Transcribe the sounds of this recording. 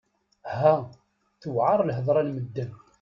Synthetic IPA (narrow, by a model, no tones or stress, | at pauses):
hæ | θəwʕɑɾˤlɦəðˤɾˤɑlməd̪ːən